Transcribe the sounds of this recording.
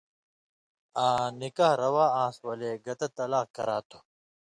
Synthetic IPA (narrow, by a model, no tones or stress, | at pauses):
ãːnikaːhɾɐwaːãːswɐleːɡɐt̪ɐt̪ːɐlaːkːɐ̰ɾaːt̪ʰo